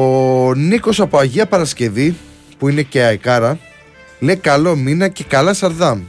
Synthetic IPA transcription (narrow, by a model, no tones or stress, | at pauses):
oniko̞sɐpo̞ɐʝiɐpɐɾɐsce̞vi | puine̞ceɐjkɐɾɐ | le̞jkɐlo̞minɐce̞kɐlɐsɐɾðɐm